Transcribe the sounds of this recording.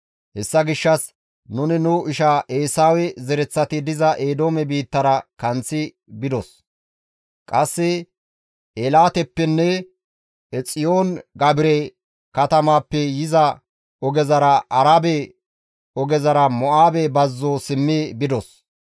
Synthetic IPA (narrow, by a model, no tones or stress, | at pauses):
hɛsːɐɡɪʃːɐs | nʊnɪnʊɪʃaʔeːsaːwɛzɛɾɛt͡sːɐt̪ɪd̪ɪzɐʔeːd̪oːmɛbiːt̪ːɐɾɐkɐnt͡sːɪ | bɪd̪ɔs | kʼɐsːɪ | ʔeːlaːt̪ɛpːɛnːɛ | ɛt͡sʼɪjoːnɡɐbɪɾɛ | kɐt̪ɐmaːpːɛjɪzɐ | ɔɡɛzɐɾɐʔɐɾabɛ | ɔɡɛzɐɾɐmɔʔaːbɛbɐzːoːsɪmːibɪd̪ɔs